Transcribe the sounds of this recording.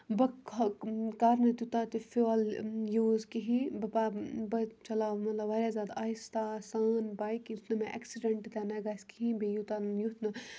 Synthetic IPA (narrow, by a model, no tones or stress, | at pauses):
bɐk | kaːɾnɐt̪ut̪aːt̪ifiɔljuːzkiɦibɐpabɐt͡ʃɐlaːʋmɐt̪lɐʋaɾʲaːzaːd̪aːjst̪asaːnbaːikjut̪ʰnɐmẽʔɐ̰ksiɖɐɳʈt̪ɛnaɡaskiɦĩbijut̪anjut̪ʰnɐ